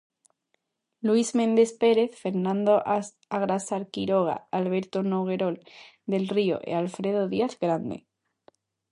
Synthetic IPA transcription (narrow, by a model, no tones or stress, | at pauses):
lwizmẽ̞nd̪e̞spe̞ɾe̞θfe̞ɾnãnd̪oʔas | aɣɾasaɾkiɾo̞ɣ̞a̰alβ̞e̞ɾt̪onoɣ̞e̞ɾo̞l | d̪e̞lrio̞̰ʔḛalfɾe̞ðoðiaθɡɾand̪e̞̰